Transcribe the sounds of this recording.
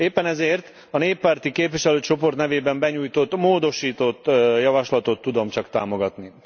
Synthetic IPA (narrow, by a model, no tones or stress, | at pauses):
eːpːɛnɛzeːrt̪ | ɒneːpːaːrt̪ikeːpʋiʃɛløːt͡ʃo̞po̞rt̪nɛveːbɛmbɛɲuːjt̪o̞t̪ːmoːd̪o̞ʃiːt̪o̞t̪ːjɒvɒʃlɒt̪o̞t̪ːud̪o̞mt͡ʃɒkt̪aːmo̞ɡɒt̪ni